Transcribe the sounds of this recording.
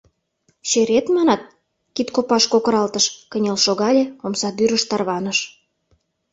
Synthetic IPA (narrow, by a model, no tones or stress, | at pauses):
ɕeɾet̪mɑnɑt̪̚ | kit̪kopɑʃkokɤ̆ɾɑlt̪əʃkənʲelʃoɣɑlʲeomsɑd̪yɾə̆ʃt̪ɑrβɑnəʃ